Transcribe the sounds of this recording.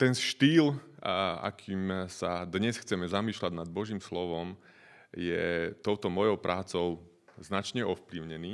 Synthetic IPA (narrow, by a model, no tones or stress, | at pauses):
t̪ɛnʃt̪iːl | a̰kʰiːmsad̪ɲɛsxt͡sɛmɛzamiːʃlaɟnad̪̚bɔʒiːmslɔʋɔm | jɛt̪ɔʊt̪ɔmɔjɔʊpɾʔaːt͡sɔʊ | znat͡ʃɲɛʔɔfpliʊɲɛniː